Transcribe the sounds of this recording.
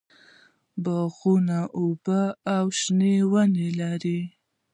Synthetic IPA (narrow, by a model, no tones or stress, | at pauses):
baɣunaʔobəawʃnewənelaɾi